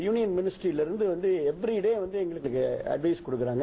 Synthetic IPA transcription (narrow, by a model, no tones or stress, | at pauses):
juːnɪjɐnmɪnɪsʈɾiɪlɪɾɯnd̪ɯʋɐnd̪ɯɛpːɐɾiɪɽeːʋɐnd̪ɯɛŋɡɐɭɯkːɭɯkːɯɐ̰ɖʋɐɪskɔɽɯk̬ːɯɾaːŋɡɐ